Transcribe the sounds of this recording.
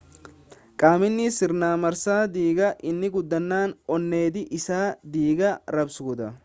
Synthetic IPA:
kʼaːmɪnːɪsɪɾnaːmɐɾsaːd̪iːɡɐʔɪnːɪɡʊd̪ːɐnːaːnɔnːe̞ːd̪ɪʔɪsaːd̪iːɡɐɾɐbsuːd̪ɐ

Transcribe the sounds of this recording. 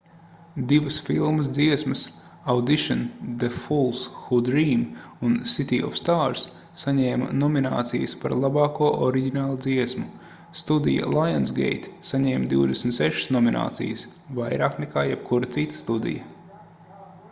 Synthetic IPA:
d̪ivəsfilˠməs̬d̪ziɛsmɐs | awd̪iʃɔnd̪efulˠsxud̪ɾiːm | unsit̪iːɔ̰fst̪aːɾsː | aɲɛːm̰nɔmina̰ːt̪sijəspaɾlˠabɑːkuɔʔɔɾiɡʲinaːlˠud̪ziɛsmu | st̪ud̪ḭja̰lˠajansɡḛjt̪saɲɛːmd̪iwd̪esmt̪sɛʃə̥snɔmina̰ːt̪sḭjəs | vajɾaːknɛkaːjɛb̚kʰuɾɐt̪sit̪ə̥st̪ud̪ḭjɐ

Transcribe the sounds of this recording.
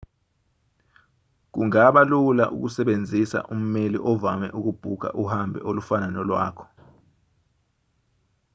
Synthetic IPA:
k̬uŋaɓalula̰ʔṵk̬usɛɓend͡zʱisa̰ʔum̩melḭʔɔvamɛ̰ʔuk̬ub̥ʱuk̬a̰ʔuhambʱɛ̰ʔolufananɔlwa̰ːkʰɔ̥

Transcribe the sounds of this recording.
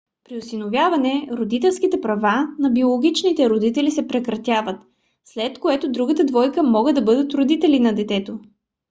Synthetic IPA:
pɾiosinovʲjavɐnɛɾod̪it̪ɛlˠskit̪ɛpɾɐvanɐbiolˠoɡ̟ʲit͡ʃnit̪ɛɾod̪it̪ɛlisɛpɾɛkɾɐt̪ʲjavət̪ | slɛt̪koɛt̪od̪ɾuɡət̪əd̪vɔjkəmɔɡəd̪ɐbɤd̪ət̪ɾod̪it̪ɛlinɐd̪ɛt̪ɛt̪o

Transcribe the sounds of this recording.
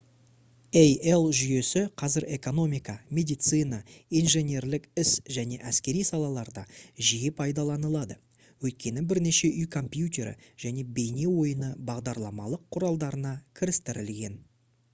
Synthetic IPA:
eje̞lˠʒʏje̞sɪqʰɑzɪɾʔe̞ko̞no̞mijkɑmʲe̞d̪ijt̪sɨnɑijnʒe̞nʲe̞ɾlɪkɪsʒæne̞ʔæskʲe̞ɾijsɑlˠɑlˠɑɾd̪ɑʒijepʰɑjd̪ɑlˠɑnəlˠɑd̪ə | wɵjt̪̚kʲe̞nɪbɪɾne̞ʃe̞ʔʏjkʰo̞mpjut̪ʲe̞ɾɪ̰ʒ̥æne̞be̞jne̞wo̞jənəbɑʁd̪ɑɾlˠɑmɑlˠəqʰːʊɾɑlˠd̪ɑɾənɑkʲʰɪɾɪst̪ɪɾɪlɡʲe̞n

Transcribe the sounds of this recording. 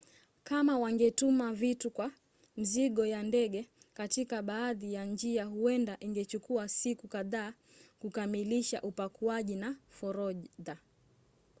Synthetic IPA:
kamawaŋɡɛtumavitukwa | m̩ziɠɔjandɛɠɛ | katikaɓaːðijand͡ʒiaɦuɛndaʔiŋɡɛt͡ʃukuasikukaðaː | kukamiliʃa̰ʔupakuaʄinafɔɾɔda

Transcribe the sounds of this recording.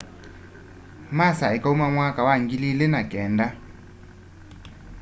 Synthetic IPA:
masaɛkʼaumaŋwakʼawaŋ̩ɡililɪnakʼɛːnda

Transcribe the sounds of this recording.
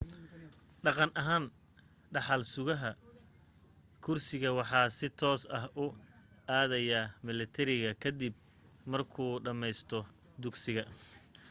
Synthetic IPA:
ɖɑqɑnʔɐɦaːn | ɖɑħɑlsʊɣɐɦɐ | kʰʊrsɪɣɐwɑħɑːsɪt̪ʰɔːsɐɦʊ | aːðɛjamɪlɐt̪ʰɛɾɪɣɐkʰɐd̪ib̚ | mɐrkʰuːɖɐmɛjst̪ʰɔ | d̪ʊɡsɪɣɐ

